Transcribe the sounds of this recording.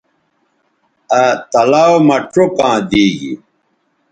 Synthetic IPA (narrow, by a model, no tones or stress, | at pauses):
at̪ɐlaːwmɐʈʰokãːd̪iːɡḭ